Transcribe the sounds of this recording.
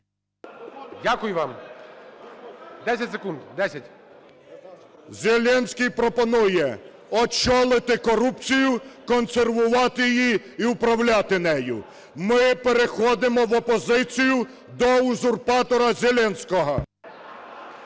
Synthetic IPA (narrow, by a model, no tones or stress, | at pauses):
dʲakʊjʊʋɑm | d̪ɛsʲɐtʲsekund̪d̪ɛsʲɐtʲ | zʲelʲɛnʲsʲkijpɾɔpɔnujɛ | ɔt͡ʃɔlˠɪt̪ɪkɔɾupt͡sʲijʊkɔnserʋʊʋɑt̪ɪjiji | iʊpɾɐwlʲat̪ɪnɛjʊ̰ | mɪpeɾexɔd̪ɪmɔʋɔpɔzɪt͡sʲijʊ | d̪ɔuzʊrpɑt̪ɔɾɐzʲelʲɛnsʲkɔɦɔ